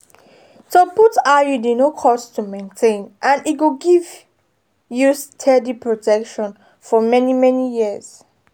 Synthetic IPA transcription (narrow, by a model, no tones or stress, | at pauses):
toputajudinokʰɔstʰumẽntʰẽnʔãnit̚ɡuɡiv | justʰɛdipʰɹotʰɛkʃɔ̃n | fɔmɛnimɛnijiəz̥